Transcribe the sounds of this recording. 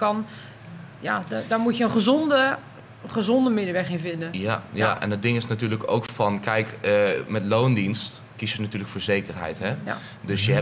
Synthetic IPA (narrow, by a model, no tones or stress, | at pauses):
kɑn | jadɔmutjəənχəzɔndə | χəzɔndəmɪdəʋɛχɪnvɪndəjajaʔɛ̰ndədɪŋɪsnatyːɹləko̰wkfɑnkɛjkəmɛtloːwndinst | kisjənatyːrləkfoːɹzejkərɦɛ̰jtɦɛ | døsjəɦɛ